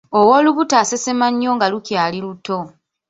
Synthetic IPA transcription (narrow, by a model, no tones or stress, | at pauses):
owo̞ːluβutaːsesemaɲːo̞ːŋɡalucjaːliluto̞